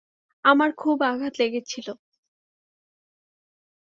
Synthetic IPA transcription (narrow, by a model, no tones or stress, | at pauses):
amaɾkʰubaɡʱat̪leɡet͡ɕʰilo